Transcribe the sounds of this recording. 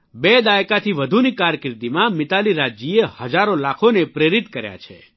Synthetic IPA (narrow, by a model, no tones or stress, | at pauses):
bed̪ajkat̪ʰiʋəd̪ʱunikaɾkɪɾt̪imãmɪt̪aliɾad͡ʒiehəd͡ʒaɾolakʰonepɾeɾit̪kəɾja̰t͡ʃʰḛ